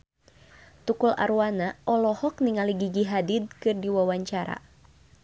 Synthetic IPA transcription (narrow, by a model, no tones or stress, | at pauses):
t̪ukula̰ɾuwanaʔɔlɔhɔkniŋaliɡiɡiɦadid̪̚kɨrdiwawaɲt͡ʃaɾa̰